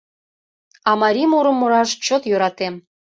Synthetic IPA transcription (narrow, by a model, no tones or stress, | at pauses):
ɑmɑɾʲimuɾə̆mːoɾɑʃt͡ɕot̪jøɾɑt̪em